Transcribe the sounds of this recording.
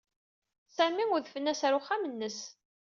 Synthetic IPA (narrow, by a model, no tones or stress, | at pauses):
sæmiʊðfənːæsæɾuχamənːəs